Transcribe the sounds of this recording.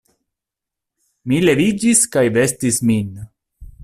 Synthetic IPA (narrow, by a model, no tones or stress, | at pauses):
mile̞vid͡ʒiskajve̞stismin